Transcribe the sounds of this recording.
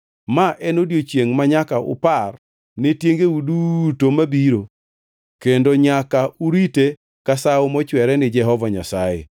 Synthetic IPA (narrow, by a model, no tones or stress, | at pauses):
maʔɛnodjot͡ʃjeŋmaɲakaʊ̰par | netjeŋɡeudutomabiɾo | kendoɲakauɾite | kasaʊmɔt͡ʃwɛɾɛnɪd͡ʒɛɦɔvaɲa̰sajḛ